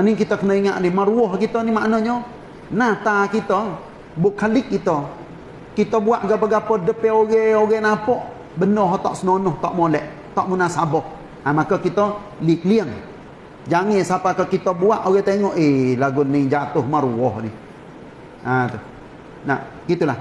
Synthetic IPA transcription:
anikit̪əkənəiŋaʔnimaɾuɔhkit̪ɔnimaʔnɔɲɔ | nat̪akit̪ɔ | bʊʔkːalɪk̚kːit̪ɔ | kit̪ɔbuaʔɡapəɡapɔdəpɛoɡeoɡɛnapɔʔ | bənɔɦɔt̪ɔʔsənonʊht̪ɔʔmolɛʔ | t̪ɔʔmunasabɔh | amakɔkit̪ɔ | lik̚liəŋ | d͡ʒaŋɛsapakəkit̪ɔbuaʔoɡɛt̪eŋɔʔelaɡʊnːid͡ʒat̪ʊhmaɾuɔhnɪ | at̪u | na̰ | ɡit̪ulah

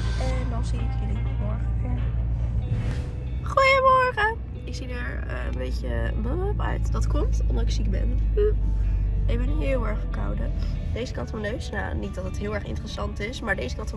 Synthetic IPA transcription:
ɛndɑnsiətkɪniəmɔɹχəfɛ | χujəmɔɹχə | ɪksidəɹ | ə̰ənbejcəbəmɔpœ̰ɥtdɑtkɔmtɔmdɑtɪksik̚bɛ̰n | ɪkbɛnyɦɪːlˠɛɹχəka̰wdəd̥ejzəkɑtmɔnøɥsna̰nit̚dɑtətɦɪːlˠɛɹχɪ̰ntərəsɑntɪsmaːɹdejzəkɑt

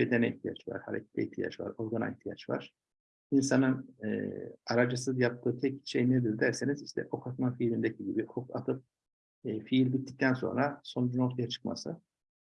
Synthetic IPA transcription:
bed̪ɛnɛiçt̪ʰija̰t͡ʃva̰ɾ̥ha̰ɾecʰe̥t̪ʰɛ̰ht̪ʰija̰t͡ʃva̰ɾo̞ɾɡana̰niçt̪ʰija̰t͡ʃva̰ɾ̥ | insanɯnɯ̰ːaɾad͡ʒɯsɯzjap̚t̪ʰːɯːt̪ʰɛc̚ʃejned̪iɾd̪æɾseniziʃt̪ʰɛ̰ʔo̞kʰat̪mafiːlʲind̪ecʰiɟibiokʰat̪ʰɯp̚ | ɯfiilʲbit̪ʰːi̥c̚t̪ʰænso̞̰nɾaso̞nud͡ʒuno̞ɾt̪ʰajat͡ʃʰɯ̥kma̰sɯ

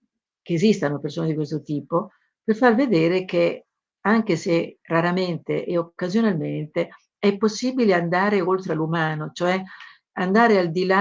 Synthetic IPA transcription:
k̟eːzist̪anopersoːned̪ikwest̪ot̪iːpo | perfarved̪eːɾek̟e | aŋk̟eseraɾament̪ḛʔeokːazjonalment̪e | ɛpːosːiːbileand̪aːɾeolt̪ɾealːumaːnot͡ʃoɛ | and̪aːɾeald̪ila

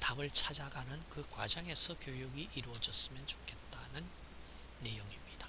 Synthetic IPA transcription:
tabɯɭt͡ɕʰad͡ʑaɡanɯnkɯkwad͡ʑʌŋe̞sʰʌkjojuɡiʔiɾuʌd͡ʑʌs͈ɯmjʌnt͡ɕo̥kʰe̞t̚t͈anɯnː | e̞joŋimɲid̥a

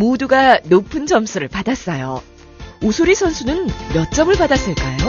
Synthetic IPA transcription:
moduɡanopʰɯnd͡ʑʌmsʰuɾɯɭpadas͈ʌjo̰ | osʰoɾisʰʌnsʰunɯnmjʌt̚t͡ɕ͈ʌmɯɭpadas͈ɯɭk͈ajo

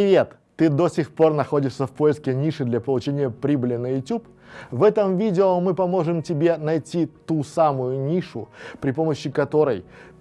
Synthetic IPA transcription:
pɪvʲe̞t̪ːɨd̪o̞sʲɪxpo̞rnɐxo̞dʲɪʂsʲəfpo̞jɪskʲɪnʲiʂɨd̪lʲɐpəlˠʊt͡ɕenʲɪjəpɾʲibəlʲɪnəjʊtʲup | vɛt̪əmvʲidʲɪomɨpɐmo̞ʐɨmtʲɪbʲe̞nɐjtʲit̪usamʊjʊnʲiʂʊ̰pɾʲɪpo̞məɕːɪkɐt̪o̞ɾə̰j

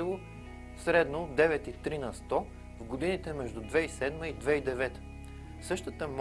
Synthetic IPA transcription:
ilˠʊ | sɾɛd̪nod̪ɛvɛt̪it̪ɾinɐst̪ɔ | vɡod̪init̪ɛmɛʒd̪ud̪vɛisɛd̪məid̪vɛid̪ɛvɛt̪ | sɤʃt̪ət̪əm

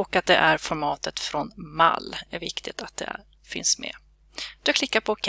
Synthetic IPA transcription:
ɔkːat̪̚d̪ɛʔæɾfɔɾmɑːt̪ət̪fɾɔnma̰lːæɾvɪkt̪ʰɪt̪at̪̚d̪ɛ̰ | fɪ̰nsmɛ̰ | d̪̥ɵakʰlɪkːapʰɔkʰ

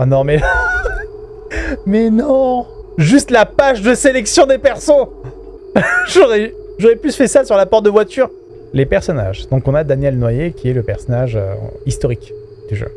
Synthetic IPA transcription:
anɔ̃mɛla | mɛnɔ̃ɔ̃ʒyst̪lapaʃd̪əselɛksjɔ̃d̪epɛʁsɔ̃ | ʒɔʁɛ | ʒɔʁɛplysfɛsasyʁlapɔʁt̪̚d̪əvwat̪yʁ | lepɛʁsɔna̰ʒd̪̥ɔ̃kɔ̃nad̪anjɛlnwajekʲiɛləpɛʁsɔnaʒø̰ist̪ɔʁik | t̪yʒø̰

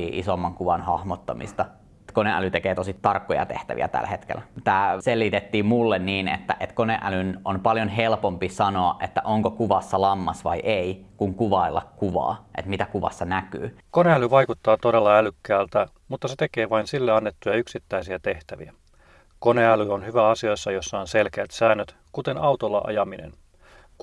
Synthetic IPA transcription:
iːʔisomːɑŋkuʋɑnhɑhmot̪ːɑmḭst̪ɑ | koneʔæ̰lyt̪ekeːt̪osit̪t̪ɑrkːojɑ̰t̪ḛht̪æ̰ʋḭæ̰t̪æ̰lːhet̪kḛlæt̪æːselːit̪et̪ːiːmmulːenniːnḛt̪ːæ̰ʔet̪koneʔælynonpɑljonɦelpompisɑnoɑʔʔet̪ːæʔoŋkokuʋɑsːɑlɑmːɑsʋɑ̰jʔeikuŋkuʋɑilːɑkkuʋɑ̰ːʔḛt̪mit̪ækuʋɑ̰sːɑnæky̰ːkoneælyʋɑjkut̪ːɑːt̪odelːɑælykːæːlt̪æ | mut̪ːɑset̪e̞keːʋɑinsilːeɑnːet̪ːujɑyksit̪ːæisiæt̪e̞ht̪æʋḭæ | koneælyonhyʋæɑsiojsːɑjo̞sːɑonselkeæt̪sæːnːøt̪ | kut̪enɑwt̪olːɑ̰ʔɑ̰jɑminḛn

